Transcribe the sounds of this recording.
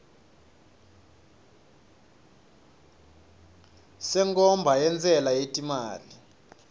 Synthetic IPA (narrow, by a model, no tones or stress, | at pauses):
sɛŋkʼɔmbʱajɛnd͡zʼɛlajetʼimaːli